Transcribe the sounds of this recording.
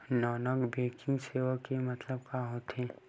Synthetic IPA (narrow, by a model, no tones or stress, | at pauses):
nɔːnəɡbeːkɪ̃ŋɡseːʋakemɐt̪ləb̚kaɦot̪ʰẽː